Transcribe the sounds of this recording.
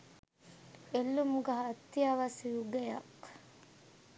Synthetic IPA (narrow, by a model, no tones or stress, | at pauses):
elːumuɡɐɦɐt̪ːiɐʋɐsjuɡejɐk